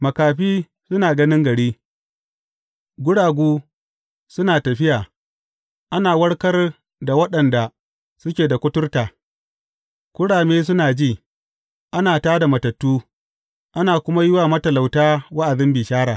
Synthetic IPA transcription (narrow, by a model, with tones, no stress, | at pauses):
mɐ˨kaː˨ɸiː˦ | sʊ˦naː˨ɡɐ˦nɪ˦ŋɡɐ˨ɽiː˦ | ɡʷʊ˦ɽaː˨ɡʷuː˦ | sʊ˦naː˨tɐ˨ɸɪ˦jaː˨ | ʔa˦naː˨wɐ˦ɽkɐ˦r | da˨wɐ˦ɗɐ˨nda˨ | sʊ˦kʲeː˨da˨kʷʊ˦tʊ˦rtaː˨ | kʷʊ˦ɽaː˨meː˦s̬ʊ˦naː˨d͡ʒiː˦˨ | ʔa˦naː˨taː˦da˨mɐ˨tɐ˨tːuː˦ | ʔa˦naː˨kʷʊ˦ma˦jʊ˦waː˨mɐ˦tɐ˨la˨wtaː˦wa˦ʔa˨ðɪ˦mbiː˨ʃaː˦ɽaː˨